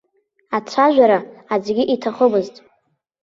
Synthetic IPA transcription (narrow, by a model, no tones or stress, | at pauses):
at͡ɕʷʰaʒᶣʷaɾaːd͡zɡʲiʔitʰaχəmɨztʼ